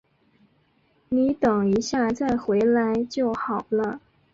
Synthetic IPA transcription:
ni˧˥t̪ɤ˨˩ŋi˧˥ɕja˥˧t͡sa˥˩ɪxwe˧˥ɪla˧˥ɪt͡ɕjo˥˩ʊxɑ˨˩ʊlə˦

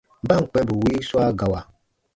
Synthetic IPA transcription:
ba˦˨ŋ̩˨k͡pɛ˦bu˨wi˦su˦a˦ɡa˨wa˨

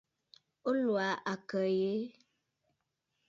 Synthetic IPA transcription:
o˦lwa˨ʔa˨kə˨je˦

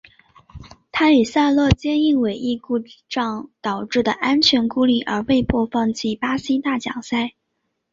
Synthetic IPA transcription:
t̪ʰa˥y˨˩sa˥˧lɤ˥˩t͡ɕjɛ˥ni˥˩ŋwe˨˩ɪʔi˥˧ku˥˩ʈ͡ʂɑ˥˩ŋt̪ɑ˨˩ʊʈ͡ʂɻ̩˥˩d̪ə˩ʔa˥nt͡ɕʰɥɛ˧˥nku˥li˥˩ʔə̰˞˧˥we˥˧ɪpʰwɔ˥˧fɑ˥˧ŋt͡ɕi˥˩pa˥ɕi˥t̪a˥˩t͡ɕjɑ̰˨˩ŋsa˥˩ɪ

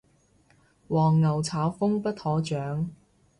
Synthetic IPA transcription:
wɔː˨˩ŋːɐ˨˩wt͡sʰaː˨˥wfʊ˥ŋpɐ˥t̚hɔː˨˥t͡ʃœː˨˥ŋ

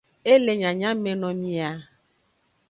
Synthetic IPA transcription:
e˦le˨ɲã˨ɲã˦mẽ˨nɔ̃˨mĩ˨a˨

